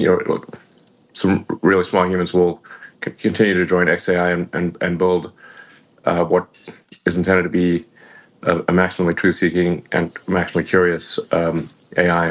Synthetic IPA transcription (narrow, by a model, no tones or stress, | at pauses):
jə̰˞ | sʌ̃mɹɪlˠismɔlˠjʉ̃mɨ̃nzwɪlˠkʰɨ̃ntʰɪ̃njʉɾɨd͡ʒɔ̃ɪ̃nɛkseɪaɪɨ̃nʔɨ̰̃nɨ̃nbɪlˠd | ʌwʌɾ | ɨzn̩tʰɛ̃ndɨd̚tʰɨbi | ʔəəmæksəmə̃m̩litʰɹ̥ʉsikɪ̃ŋʔɨ̰̃nmæksmə̃m̩likʰj̥ʊɹiɨsʌʔeɪaɪ